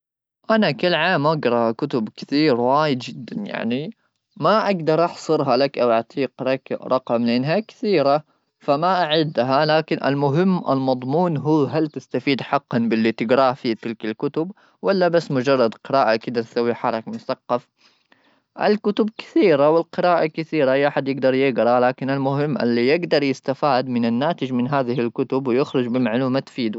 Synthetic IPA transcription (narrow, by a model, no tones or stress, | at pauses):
ʔanakɪlːʕaːmʔaɡɾˤɑkʊt̪ʊbkɪ̥θiːɾwaːjɪd̪d͡ʒɪd̪ːanja̰ʕni | maʔaɡd̪ɑɾˤʔɑħsˤɨɾɦalakʔawaʕt̪ʰˤiːqlakɾˤɑqɑmlɪʔanɦakɪ̥θiːɾa | famaʔaʕɪd̪ːɦalaːkɪnʔɪ̰lmʊɦɪmːʔɪ̰lmɑd̪ˤmuːnɦuːɦalt̪ɪst̪afiːd̪ħɑqːɑnbɪlːit̪ɪɡɾɑːfit̪ɪlkalkʊt̪ʊb | walːabasːmʊd͡ʒɑrˤːɑd̪qɪɾaːʔakɪd̪aɾsawːiħɑɾˤɑkmʊθɑqːɑf | ʔa̰lkʊt̪ʊb̚kɪ̥θiːɾawɪlqɪɾaːʔakɪθiːɾajʔaħad̪jɪɡd̪ɑɾˤjɪɡɾˤɑlaːkɪnalmʊɦɪmːʔɪ̰lːijɪɡd̪ɑɾˤjɪst̪afaːd̪mɪnanːaːt̪ɪd͡ʒmɪnɦaːðɪhɪlkʊt̪ʊbwɪjɪxɾʊd͡ʒbɪmaʕluːmat̪fiːd̪u